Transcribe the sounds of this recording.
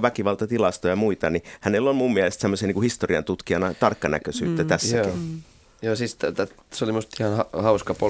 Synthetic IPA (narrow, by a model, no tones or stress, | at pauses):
ʋækiʋɑlt̪ɑt̪ilɑst̪ojɑmuit̪ɑnihænelːolmummiælest̪semːosiɑniːkuhist̪oriɑ̰nt̪ut̪kiɑnɑt̪ɑrkːɑnæ̰køsy̰ːt̪ːæt̪æsːæi | joːsist̪t̪æt | solimust̪ihɑnhɑhɑuskɑpo